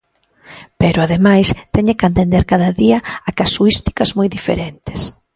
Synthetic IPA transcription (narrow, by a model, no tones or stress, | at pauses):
pɛɾʊaðemajst̪ɛɲɪkant̪end̪eɾkaðɐðiɐakasuist̪i̥kɐzmojðifḛɾent̪ɪ̥s